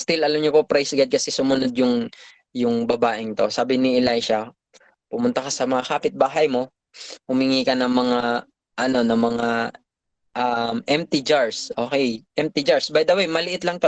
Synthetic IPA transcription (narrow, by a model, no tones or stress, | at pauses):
st̪ɪlʔɐlamɲopopɾajsɐɡad̪̚kɐsɛsʊmʊno̞d̪̚jʊŋ | jʊŋbɐbaːʔɪŋt̪o̞saːbɪnɪʔɛlajʃɐ | pʊmʊnt̪ɐkɐsɐmɐŋakaːpɪt̪̚baːɦɐjmo̞ | hʊmɪŋiːkɐnɐŋmɐŋa | ʔɐno̞nɐŋmɐŋa | ʔɐmɛmt̪ɪd͡ʒaɹsʔo̞ːkɛjʔɛmt̪ɪd͡ʒaɹsbajd̪ɐwejmɐlɪʔɪt̪lɐŋt̪o